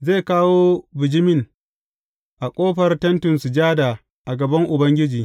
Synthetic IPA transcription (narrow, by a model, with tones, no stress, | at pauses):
zeː˦˨kaː˦woː˦bɪ˨d͡ʒɪ˦mɪ˦˨ŋ | ʔa˨kʷʼoː˦ɸɐ˨rtɐ˦ntʊ˨nsu˨d͡ʒaː˦daː˨ | ʔa˨ɡɐ˨bɐ˦ŋʔʊ˨bɐ˦ŋɡʲɪ˦d͡ʒiː˨